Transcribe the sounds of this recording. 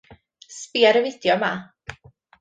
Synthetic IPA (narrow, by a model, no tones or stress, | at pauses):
spiːəɾəvɪd̪̥jɔma